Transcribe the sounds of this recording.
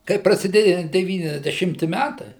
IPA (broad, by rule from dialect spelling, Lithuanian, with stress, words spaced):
kɐɪ prɐsʲɪˈdʲeːjɛ dʲɛˌʋʲiːnʲɛzʲdʲɛˈʃʲɪmʲtʲɪ ˈmʲætɐɪ